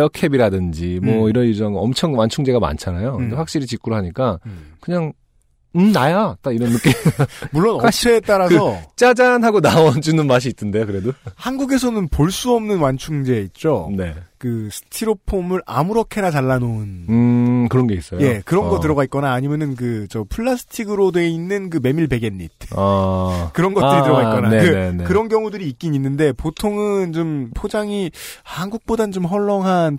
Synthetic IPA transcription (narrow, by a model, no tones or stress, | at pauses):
jʌkʰebiɾadɯnd͡ʑimwʌiɾʌnjud͡ʑʌŋɯʌmt͡ɕʰʌŋwant͡ɕʰuŋd͡ʑe̞ɡama̰nt͡ɕʰanajokɯndeɸwak̚ɕ͈iɾit͡ɕik͈uɾoɦaɲik͈akɯɲaŋ | ɯnajat͈aiɾʌnːɯk͈emuɭːonʌsʰeːtt͈aɾasɯʌt͡ɕ͈ad͡ʑanɦaɡonaʌd͡ʑunɯnmaɕ̬ʰiːtʰːɯnde̞jokɯɾe̞dohanɡuɡe̞sʰʌnɯnpoɭs͈uʌmnɯnwant͡ɕʰuŋd͡ʑe̞it̚t͡ɕ͈one̞kɯsʰɯ̥tʰiɾopʰomɯɾʔa̰muɾʌkʰe̞nat͡ɕaɭːanonɯkɯɾʌnɡe̞is͈ʌjje̞kɯɾʌnɡʌtɯɾʌɡait̚k͈ʌnaːɲimjʌnɯnkɯt͡ɕʌpʰuɭːasʰɯ̥tʰiɡɯɾodeinːɯnkɯme̞miɭpe̞ɡennite | kɯɾʌnɡʌt͈ɯɾitɯɾʌɡaik͈ʌnakɯekɯɾʌnkjʌŋudɯɾiːk͈̚iɲinːɯnde̞potʰoŋɯnt͡ɕompʰod͡ʑaŋihanɡuk̚p͈odat͡ɕomɦʌɭːʌŋɦan